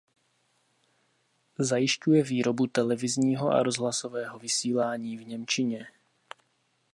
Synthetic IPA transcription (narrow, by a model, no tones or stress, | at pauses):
zajɪʃcujɛviːɾobut̪ɛlɛvɪzɲiːɦoʔa̰ɾozɦlasovɛːɦovɪsiːlaːɲiːvɲɛmt͡ʃɪɲɛ